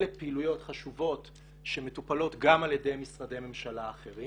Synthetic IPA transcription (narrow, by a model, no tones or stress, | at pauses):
lepeilujo̞tχaʃuvo̞t | ʃe̞me̞tupalo̞tɡamaljede̞jmisʁade̞jme̞mʃalaːχe̞ʁi